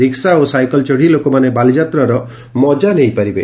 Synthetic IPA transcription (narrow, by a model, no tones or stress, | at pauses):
ɾiksaosajkɔlt͡ʃɔɽ̤ilokɔmanebalid͡ʒat̪ɾɔɾɔ | mɔd͡ʒanejpaɾibe